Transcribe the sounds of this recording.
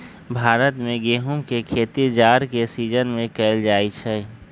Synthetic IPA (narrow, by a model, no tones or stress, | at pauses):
bʱaːɾət̪mẽɡeːɦumkekʰeːt̪id͡ʒaːɾkesiːd͡ʒənmẽkɛːld͡ʒaːit͡ʃʰɛ